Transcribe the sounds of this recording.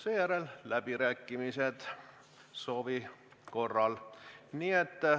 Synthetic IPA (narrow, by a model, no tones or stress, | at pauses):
seːjæɾellæb̥iɾæːkːimise̞d̪̥ | so̞ːvi | ko̞rːɑlniːet̪ː